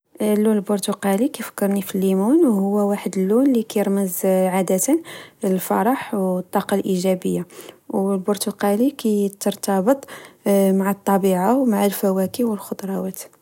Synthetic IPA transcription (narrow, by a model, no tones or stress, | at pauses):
lːunlbʊɾt̪uqɑlikæjfə̥kːəɾˤnifilːimunwhʊwːæwaħəd̪əlːunlikæjəɾməzʕad̪ət̪ənəlfɑ̰ɾˤɑħwt̪ˤːɑqɑlʔiʒæbəjːawlbʊɾt̪uqɑlikʰæjt̪əɾˤt̪ɑbət̪ˤmaʕat̪ˤːɑbiʕawmaʕəlfæwækiwəlxod̪ɾˤɑwæt̪